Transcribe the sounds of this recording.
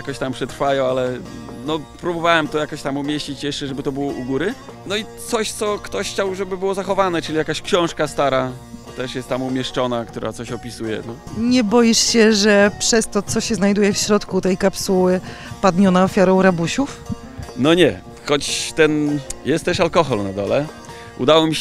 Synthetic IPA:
jakɔɕt̪ampʂɛt̪ɾfajɔ̃walɛnɔpɾubɔvawɛmt̪ɔjakɔɕt̪amumʲjeɕt͡ɕit͡ɕjɛʂt͡ʂɛʐɛbɘt̪ɔbɘwɔʔuɡuɾɘ | nɔit̪sɔɕt̪sɔkt̪ɔɕxt͡ɕawʐɛbɘbɘwɔzaxɔvanɛt͡ʂɘlʲijakaɕkɕɔ̃w̃ʂkast̪aɾa | t̪ɛʂjɛst̪ːamumʲjɛʂt͡ʂɔnak̚t̪uɾʔa̰t̪sɔɕɔpʲisujɛ̰nɔɲɛbɔjiʂɕɛʐɛpʂɛst̪ɔt̪sɔɕɛznajd̪ujɛfɕɾɔt̪kut̪ɛjkapsuwɘ | pad̪ɲɔnaɔfʲjaɾɔ̃w̃ɾabuɕuf | nɔɲɛ | xɔt͡ɕt̪ɛnjɛst̪ːɛʂalkɔxɔlnad̪ɔ̰lɛ | ṵd̪awɔmʲi

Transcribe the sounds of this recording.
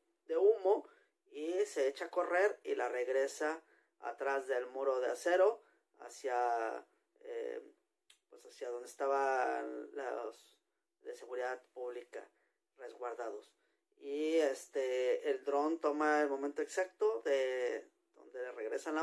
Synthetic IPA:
d̪e̞umo̞ | ise̞et͡ʃako̞re̞ɾilare̞ɣɾe̞sa | a̰t̪ɾazðe̞lmoɾo̞ðease̞ɾo̞ | a̰sja | ḛ | pwe̞sasjaðo̞nd̪est̪aβalas | ðese̞ɣuɾiðaðpuβlika̰ | re̞zɣwaɾðaðo̞s | iest̪eːld̪ɾo̞nt̪o̞maelmo̞ment̪oeksak̚t̪o̞ðe | ð̥o̰nd̪e̞reɣɾe̞̰sana

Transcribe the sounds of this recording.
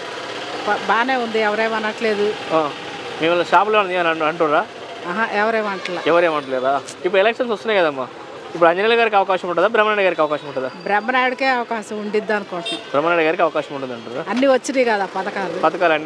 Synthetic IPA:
pɐbaːneːund̪iɛʋɐɾeːmɐnːɐʈle̞ːd̪uaː | meːmɐlːʃaːp̬uleʋɐɳɐnɐnɐɐɳʈunɾaː | ɐɦɐʔɛʋɐɾeːmɐɳʈɐla̰ɛʋɐɾeːmɐɳɐʈleːɾaː | ipːuɽɛlɛkʂɐnsost̪unaːjɡɐd̪aɐmːaː | ipːuɽuɐɲd͡ʒɐniːlɐɡaːɾik̬ɐʋɐkaːʃɐmuɳʈ̬ːud̪aːbɾɛmːnaːɽɐɡaːɾikɐʋɐkaːʃɐmuɳʈud̪aːbɾɛmːɐnaːjuɽukeːɐʋɐkaːʃɐmuɳɖid̪ːaːnkɔːsɐmbɾɛmːɐnaːjɽɐɡaːɾik̬ɐʋɐkaːʃɐmuɳʈund̪ɐɳʈunɾaːɐnːiʋɐt͡ʃːiniːɡɐd̪aːpɐd̪ɐkaːlpɐd̪ɐkaːlɐnːi

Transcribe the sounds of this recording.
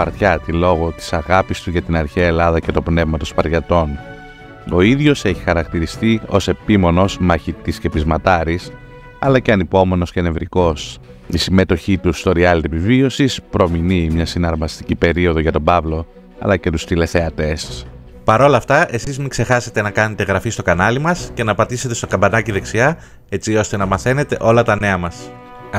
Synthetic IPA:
ɐɾt̪çɐt̪ilo̞ɣo̞t̪i̥sɐɣɐpist̪uʝɐt̪inɐɾçeɐelɐðɐce̞t̪opne̞vmɐt̪o̞spɐɾʝɐt̪o̞n | o̞iðʝo̞se̞çi̥xɐɾɐkt̪iɾist̪io̞se̞pimo̞no̞zmɐçit̪isce̞pizmɐt̪ɐɾis | ɐ̰lɐceɐnipo̞me̞no̞scene̞vɾiko̞s | isime̞t̪o̞çit̪ust̪o̞ɾiɐlt̪epivio̞sispɾo̞minimɲɐsinɐɾmɐst̪icipe̞ɾio̞ðoʝɐt̪o̞bɐvlo̞ | ɐ̰lɐce̞t̪u̥st̪ile̞θe̞ɐt̪e̞st̪ | pɐɾo̞lɐft̪ɐʔe̞sizmikse̞xɐse̞t̪e̞nɐkɐne̞t̪e̞ɣɾɐfist̪o̞kɐnɐlimɐsce̞nɐpɐt̪ise̞t̪e̞st̪o̞kɐmbɐnɐciðe̞ksiɐ | e̞t͡sio̞st̪e̞nɐmɐθe̞ne̞t̪e̞̰ʔo̞lɐt̪ɐne̞ɐmɐs

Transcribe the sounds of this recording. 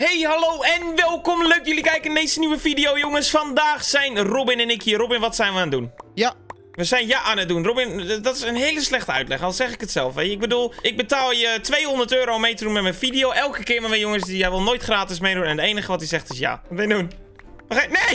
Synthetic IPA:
hejhaloːɛnʋɛlˠkɔmløɥkjulikɛjkəndeːzəniʋəfidijowjoŋəsfɔndaːxsɛjnrobɪnɛnɪkiərobɪnʋɔtsɛjnʋəaːndun | ʋəsɛjnjaʔaːnət̚dunrobɪndɔtɪsənɦeːləslɛxtəœ̰ɥtlɛxɔlˠsɛxɪkətsɛlˠfʋejəɪɡ̚bədulˠɪɡ̚bətaːlˠjətʰʋejhondərtøːɾomejtədunmɛmɛjnfidijowʔɛlˠkəkɪːmɛmɛjoŋəsdijɛjʋɪlˠnoːjtxraːtɪs̬mejdunɛndəeːnəxəʋɔtisɛxtɪsja̰ɔmɛjndun | əne

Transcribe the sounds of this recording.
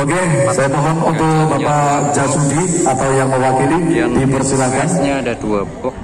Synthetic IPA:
oɡɛ | sajamɔɦɔnunt̪ʊk̚bapad͡ʒasudiat̪awjaŋməwakilidipərsilakan

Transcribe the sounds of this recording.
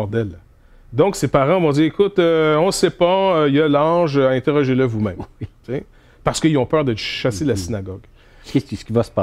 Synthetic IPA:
d̪ɛl | d̪ɔ̃ksepaʁɑ̃vɔ̃d͡ziekʊt̪øɔ̃sepʌjɐlɑ̃ːʒøaɛ̃t̪eʁɔʒeləvumɛ̃mt͡se | paʁsə̥kəilɔ̃pœːʁd̪əʃaselasinaɡɔɡ | sə̥kʲivasə̥pɑ

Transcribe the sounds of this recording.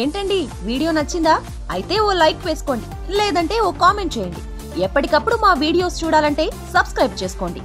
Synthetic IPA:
e̞ːɳʈɐɳɖi | ʋiːɽijo̞ːnɐt͡ʃːind̪aː | ɐjit̪e̞ːoːlɐjkʋeːsu̥ko̞ːɳɖi | leːd̪ɐɳʈe̞ːoːkaːme̞ɳʈ̚t͡ʃeːjɐɳɖi | ɛpːɐʈikɐpːuɽumaːʋiːɽijo̞ːst͡ʃuːɽaːlɐɳʈe̞ː | sɐbskɾɐjb̚t͡ʃe̞ːsu̥ko̞ːɳɖi

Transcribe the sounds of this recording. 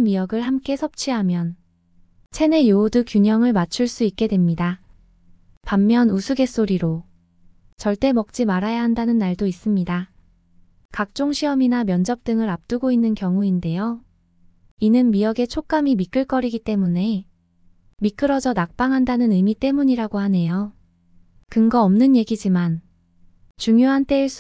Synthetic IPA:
nmijʌɡɯɭhamk͈e̞sʰʌp̚t͡ɕʰiɦamjʌn | t͡ɕʰe̞ne̞joodukjuɲʌŋɯɭmat͡ɕʰuɭs͈uik̚k͈e̞dwe̞mɲida | pamːjʌnusʰuɡe̞s͈oɾiɾo | t͡ɕʌɭt͈e̞mʌk̚t͡ɕ͈imaɾajaɦandanɯnːaɭdois͈ɯmɲida | kak̚t͡ɕ͈oŋɕʰiʌminamjʌnd͡ʑʌp̚t͈ɯŋɯɾap̚t͈uɡoinːɯnkjʌŋuinde̞jo | inɯnmiʌɡe̞t͡ɕʰok͈amimik͈ɯɭk͈ʌɾiɡit͈e̞mune̞ | mik͈ɯɾʌd͡ʑʌnak̚p͈aŋɦandanɯnɯmit͈e̞muɲiɾaɡohane̞jo | kɯŋɡʌʌmnɯnje̞ɡid͡ʑiman | t͡ɕuŋjoɦant͈e̞iɭs͈

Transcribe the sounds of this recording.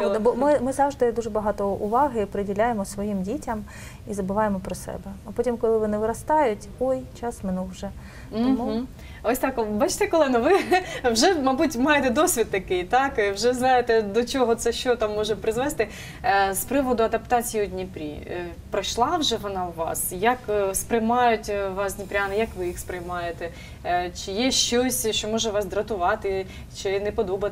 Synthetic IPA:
d̪ɐbɔmɪmɪzɑwʒd̪ɪd̪uʒɛbɐɦɑt̪ɔʊ̰ʋɑɦɪpɾɪdʲilʲajemɔsʋɔjimdʲitʲɐm | izɐbʊʋɑjemɔpɾɔsɛ̰bɛɐpɔtʲimkɔlˠɪʋɪnɛʋɪɾɐst̪ɑjʊtʲɔjt͡ʃɑsmɪnulˠwʒɛ | t̪ɔmu | ɔsʲt̪ɑkbɑt͡ʃt̪ɛkɔlˠɛnɐʋɪwʒɛmɐbutʲmɑjet̪ɛd̪ɔsʲʋʲid̪̚ːɐkɪjt̪ɑkwʒɛznɑjet̪ɛd̪ɔt͡ʃɔɦɔt̪sɛʃt͡ʃɔt̪ɑmːɔʒɛpɾɪzʋɛst̪ɪ | spɾɪʋɔd̪ʊɐd̪ɐpt̪ɑt͡sʲijiɔdʲnʲipɾʲḭ | pɾɐʃlˠɑwʒɛʋɔnɑwʋɑ̰sjɐkspɾɪjmɑjʊtʲʋɑsd̪ʲnʲipɾʲanɪjɐkʋɪjixspɾɪjmɑjet̪ɛ | t͡ʃɪjɛʃt͡ʃɔsʲʃt͡ʃɔmɔʒɛʋɑsd̪ɾɐt̪ʊʋɑt̪ɪ | t͡ʃɪnɛpɔd̪ɔbɐ

